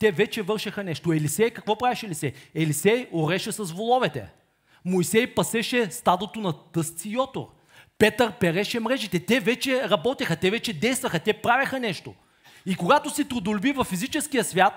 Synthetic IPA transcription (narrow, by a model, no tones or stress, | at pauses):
t̪ɛvɛt͡ʃɛvɤɾʃɐxɐnɛʃt̪oɛlisɛjkɐkvɔpɾavɛʃɛlisɛjɛlisɛjoɾɛʃɛsɐzvolˠɔvɛt̪ɛ̰ | moisɛjpɐsɛʃɛst̪ad̪ot̪onɐt̪ɤst̪siːɔt̪o̰ɾ | pɛt̪əɾpɛɾɛʃɛmɾɛʒit̪ɛt̪ɛvɛt͡ʃɛɾɐbɔt̪ixɐt̪ɛvɛt͡ʃɛd̪ɛjst̪vɐxət̪ʲɛpɾavʲɐxənɛʃt̪o̰ | ikoɡat̪osit̪ɾʊd̪olʲbivɐfːizit͡ʃɛsk̟ijəsvʲjat̪